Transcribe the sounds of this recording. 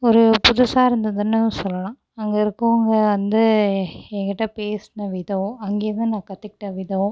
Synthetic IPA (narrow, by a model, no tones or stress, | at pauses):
ɔɾɯpʊðʊsaːɪɾɯnd̪ɐðɯnːɯsɔlːɐlãː | ɐŋɡɐɪɾɯkːʊ̃ɐŋɡɐʋɐnd̪ɯɛŋɡɐɪʈːɐpeːsɯnɐʋɪðɐʋʊ̃ɐŋɡeːɾnɯnãːkɐt̪ːɯkɪ̥ʈːɐʋɪðɐʋʊ̃